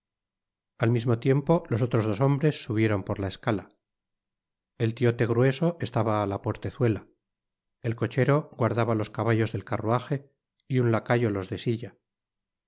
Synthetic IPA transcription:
almizmo̞t̪je̞mpo̞lo̞s̬o̞t̪ɾo̞zð̞o̞so̞mbɾe̞sːuβ̞je̞ɾo̞mpo̞ɾlaeskala | e̞lt̪io̞t̪e̞ɣ̞ɾwe̞so̞ʔest̪aβaːlapo̞ɾt̪e̞θwe̞la | elko̞t͡ʃe̞ɾo̞ɣwaɾðaβalo̞skaβaʎo̞zðe̞lkaruaxe̞ | iunlakaʎo̞lo̞zðe̞siʝa

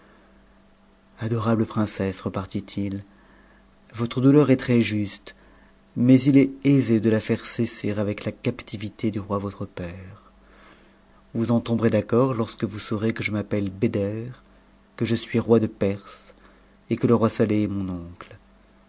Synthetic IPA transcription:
ad̪ɔʁabləpχɛ̃sɛsʁəpaʁt̪it̪ʰil | vɔt̪χəd̪ulœʁɛt̪χɛʒyst̪ | mɛzilɛezed̪əlafɛʁseseʁavɛklakapt̪ivit̪ed̪yʁwavɔt̪χəpɛːʁ | vuzɑ̃t̪ɔ̃bʁed̪akɔʁlɔʁskəvusoʁekəʒəmapɛlbed̪ɛʁ | kəʒəsɥiʁwad̪əpɛʁs | ekələʁwasaleɛmɔ̃nɔ̃kl

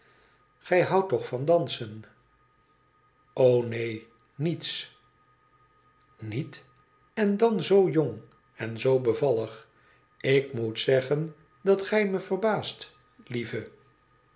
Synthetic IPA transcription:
χɛjɦɑwtɔχfɑndɑnsən | ownej | nits | nit | ɛndɑnzowjoŋ | ɛnzowbəvɑləχ | ɪkmutsɛχən | dɑtχɛjməv̥ərbaːst | livə

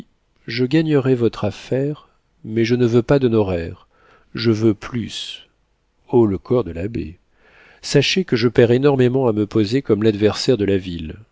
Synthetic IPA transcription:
ʒəɡaɲəʁɛvɔt̪χafɛʁ | mɛʒənəvøpad̪ənɔʁɛʁ | ʒəvøplys | oləkʰɔʁd̪əlabḛ | saʃekəʒəpɛʁenɔʁmemɑ̃aməpozekɔmlad̪vɛʁsɛʁd̪əlavil

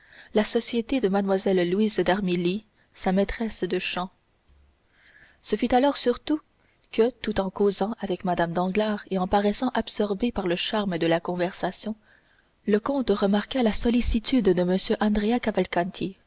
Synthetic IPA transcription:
lasɔsjet̪ed̪əmad̪mwazɛlːuizd̪aʁmili | samɛt̪χɛsd̪əʃɑ̃ | səfyt̪alɔʁsyʁt̪u | kət̪ut̪ɑ̃kozɑ̃avɛkmad̪amd̪ɑ̃ɡlaːʁeɑ̃paʁɛsɑ̃ʔabsɔʁbepaʁləʃaʁməd̪əlakɔ̃vɛʁsasjɔ̃ | ləkɔ̃t̪ʁəmaʁkalasɔlisit̪yd̪ːəməsjøʔɑ̃d̪ʁeakavalkɑ̃nt̪ʰi

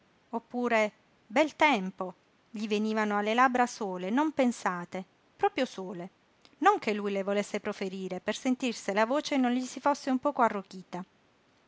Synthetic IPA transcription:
opːuːɾe | bɛlt̪ɛmpo | ʎiveniːvanoalːelabɾasoːlenompensaːt̪e | pɾɔːpɾjosoːle | noŋk̟elːujlevolesːepɾofeɾiːɾepersent̪irselavoːt͡ʃenonʎisifosːeumpɔːkoarːokiːt̪a

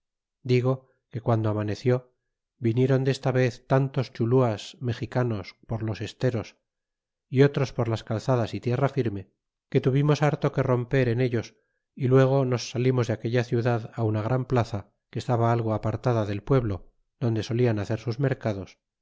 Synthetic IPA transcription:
d̪iɣo̞ | ke̞kwand̪oamane̞θjo̞ | binje̞ɾo̞nd̪e̞st̪aβe̞θt̪ant̪o̞st͡ʃuluasme̞xikano̞spo̞ɾlo̞se̞st̪e̞ɾo̞s | io̞t̪ɾo̞spoɾlaskalθaðasit̪je̞rafiɾme̞ | ke̞t̪uβimo̞saɾt̪o̞ke̞ro̞mpe̞ɾe̞neʎo̞s | ilwe̞ɣ̞o̞no̞sːalimo̞zðeake̞ʎaθjuðaðaunaɣ̞ɾʔamplaθa | ke̞st̪aβaalɣ̞o̞apaɾt̪aðaðe̞lpwe̞βlo̞ | ðo̞nd̪e̞so̞lianaθe̞ɾsuzme̞ɾkaðo̞s

